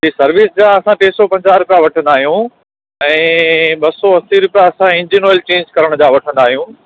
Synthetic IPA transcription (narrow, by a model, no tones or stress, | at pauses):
d͡ʑiːsɐɾʋɪsd͡ʑãːɐsãʈeːsɔpɐ̃ɲd͡ʑaːɾʊpjaʋɐʈʰə̃nd̪aːɦijũ | ɛ̃ːɓɐsɔɐsiɾʊpijaɐsãɪ̃ɲd͡ʑinoːlt͡ɕẽːɲd͡ʑkɐɾəɽ̃d͡ʑãːʋɐʈʰə̃nd̪aːɦijũː